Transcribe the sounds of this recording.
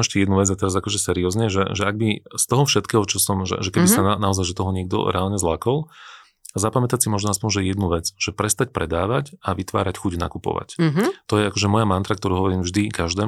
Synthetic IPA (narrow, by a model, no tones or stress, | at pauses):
ɛʃcɛjɛd̪nuʋɛd͡zat̪ɛɾazakɔʒɛsɛɾiɔːzɲɛʒɛ̰ʒɛaɡ̚bist̪ɔɦɔfʃɛt̪kɛːɦɔt͡ʃɔsɔmʒɛ̰ʒɛkɛbisananaɔzajʒɛt̪ɔɦɔɲɪɛɡ̚d̪ɔ̰ɾɛ̰aːlɲɛzlakɔlˠ | azapamɛt̪atsimɔʒnɔaspɔɲʒɛjɛd̪nuʋɛd͡zʒ̥ɛpɾɛst̪acpɾɛd̪aːʋacaʋit̪ʋa̰ːɾacxuɟna̰kupɔ̰ʋa̰cɦt̪ɔjɛakɔʒɛmɔjamant̪ɾakt̪ɔɾuːɦɔʋɔɾiːmvʒd̪ikaʒd̪ɛː